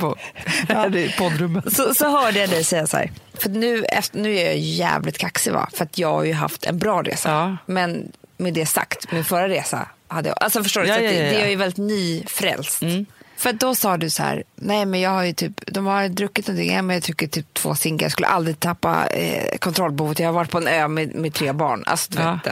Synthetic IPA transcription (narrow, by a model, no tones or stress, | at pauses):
ɛpʰɔd̪ɾɵmːətssɔsɔhœːɖəjad̪ɛjsɛjːashæ̰ːɾfœɾat̪nʉ̟ːɛ̰ft̪nʉ̟ːæɾjɑ̰jɵjæ̰ːvlɪt̪kʰaksɪva̰fœɾat̪ʰjɑːɡha̰ɾjɵɦa̰ft̪ʰɛ̰nbɾɑːɾḛːsamɛnmeːd̪ɛsa̰kt̪mɪnfœɾaɾeːsa̰had̪ːəjɑ̰ʔalsɔfœʂʈoːɾdɛd̪ɛajəvɛlɪt̪nyːfɾɛ̰lst̪fœɾat̪̚d̪ɔsɑːd̪ɵsæ̰ːɾnɛɪmɛnjɑːɡhaɾjɵt̪ʰyːpd̪ɔmhajd̪ɾɵkːɪt̪nɔnt̪ʰɪ̰ŋːʔɛmɛnjɑːt̪ʰɾʏkːəʈʰyːp̚t̪ʰv̥o̰ːsɪŋɡa̰j̰skɵlːə̰ʔa̰ld̪ɾɪt̪ʰapːa̰kʰɔnt̪ʰɾɔlbɛhuːvət̪jɑːhaɾvaʈ̚ːpʰɔɛnøːmemɪt̪ʰːɾeːbɑ̰ːɳa̰lsɔd̪ɵveːd̪